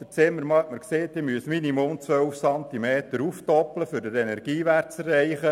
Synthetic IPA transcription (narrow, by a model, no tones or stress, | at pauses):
d̥̪ət͡sɪmːəɾmɑməɾkseːt̪ɪmyəsminimomt͡sʋœlfsɑnt̪imeːt̪əɾuftɔpləfʏɾdəɾɛnɛrɡ̥iːʋærtt͡sɛrːɛɪχə